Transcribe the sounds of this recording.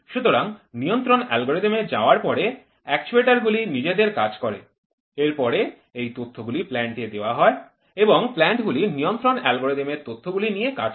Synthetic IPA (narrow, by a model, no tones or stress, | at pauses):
ʃut̪oɾaŋnijont̪ɾonɛlɡoɾed̪emed͡ʑaoaɾpɔɾe | ɛkt͡ɕueʈaɾɡulinid͡ʑed̪eɾkad͡ʑkɔɾḛ | eɾpɔɾe | ejt̪ot̪ʰːoɡuliplɛɳʈed̪eoaɦɔe | eboŋplɛɳʈɡulinijont̪ɾonɛlɡoɾed̪emeɾt̪ot̪ʰːoɡulinijeka̰d͡ʑ